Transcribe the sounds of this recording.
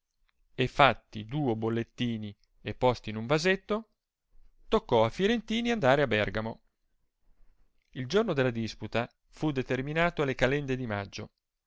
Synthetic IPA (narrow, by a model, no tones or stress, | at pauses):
efːat̪ːid̪uːobolːet̪ːiːni | epːɔst̪iːnuɱvazet̪ːo | t̪okːɔafːjoɾent̪iːniand̪aːɾeabɛrɡamo | ild͡ʒornod̪elːad̪isput̪a | fud̪et̪erminaːt̪oalekalɛnd̪ed̪ima̰d͡ʒːo